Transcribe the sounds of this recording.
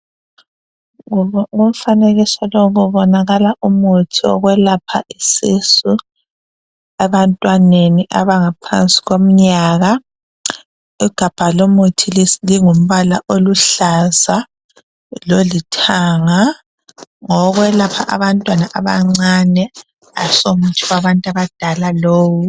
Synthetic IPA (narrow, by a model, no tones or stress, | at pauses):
ŋum̩faneɣisɔloɣuβɔnaɣalaʔumutʰiɔ̰ɣwɛlapʰa̰ʔisisu | ɛβantʼwaneniʔaβaŋapʰa̰nsʼi̥ɣom̩ɲaːɣa | iɡ̥ʱab̥ʱalomutʰilliŋum̩βala̰ʔoluɬaza | lolitʰaŋa | ŋɔɣwɛlapʰa̰ʔaβantʼwanaʔaβaŋ͡ǀanɛ | a̰somutʰiwaβantʼaβad̥ʱalaloːwu